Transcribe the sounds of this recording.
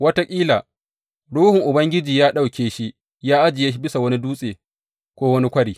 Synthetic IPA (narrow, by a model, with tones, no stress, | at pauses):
wɐ˦ta˦kʲʼiː˦laː˨ | ɽuː˦hʊ˨ŋʔʊ˨bɐ˦ŋɡʲɪ˦d͡ʒiː˨jaː˦ɗa˦˨wkʲeː˨ʃi˦ | jaː˦ʔa˦d͡ʒɪ˨je˦ʃi˦bɪ˦sa˨wɐ˦ni˦duː˦sʼeː˨ | kʷoː˦wɐ˦ni˦kʷɐ˦ɽiː˨